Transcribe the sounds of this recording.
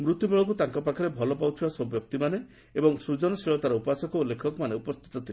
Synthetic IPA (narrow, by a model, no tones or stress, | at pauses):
mɾut̪jubeɭɔkut̪aŋkɔpakʰɔɾebʱɔlɔpawt̪ʰibasɔbjɔk̚t̪imane | ebɔŋsud͡ʒɔnɔsiɭɔt̪aɾɔupasɔkɔulːekʰɔkɔmaneupɔst̪ʰi̥t̪ɔt̪ʰile